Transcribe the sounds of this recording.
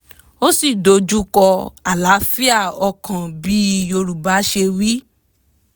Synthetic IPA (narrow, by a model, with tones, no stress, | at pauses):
o˦si˦˨do˨˦d͡ʒu˦kɔ˧a˨la˨˦fi˦a˦˨ɔ˧kã˨bi˨˦jo˧ɾu˨ba˨˦ʃe˧wi˦